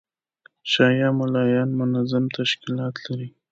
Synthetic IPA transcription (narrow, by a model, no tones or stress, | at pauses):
ʃɑjɑmʊlɑjɑnmʊnazamt̪aʃkɪlɑt̪laɾi